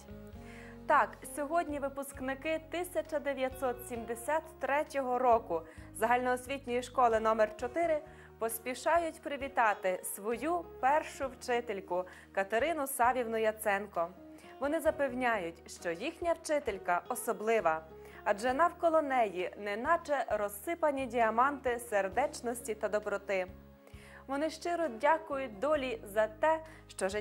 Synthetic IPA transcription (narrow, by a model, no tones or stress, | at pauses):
t̪ɑksʲɔɦɔdʲnʲiʋɪpʊsknɪkɪt̪ɪsʲɐt͡ʃɐd̪eʋʲjɐt̪sɔt̪sʲimd̪esʲat̪ːɾɛtʲɔɦɔɾɔkʊzɐɦɑlʲnɔːsʲʋʲitʲnʲɔjiʃkɔlˠɪnɔmɛrt͡ʃɔt̪ɪɾɪ | pɔsʲpʲiʃɑjʊtʲpɾɪʋʲit̪ɑt̪ɪsʋɔjupɛrʃʊwt͡ʃɪt̪elʲkʊ | kɐt̪ɐɾɪnʊsɑʋʲiwnʊjɐt̪sɛnkɔ | ʋɔnɪzɐpewnʲajʊtʲʃt͡ʃɔjixnʲɐwt͡ʃɪt̪elʲkɐʔɔsɔblˠɪʋɐ | ɐd͡ʒɛnɐwkɔlˠɔnɛjinɛnɑt͡ʃɛɾɔsːɪpɐnʲidʲiɐmɑnt̪ɪserd̪ɛt͡ʃnɔsʲtʲit̪ɐd̪ɔbɾɔt̪ɪ | ʋɔnɪʃt͡ʃɪɾɔdʲakʊjʊt̚ʲd̪ɔlʲizɐt̪ɛ | ʃt͡ʃɔʒɪ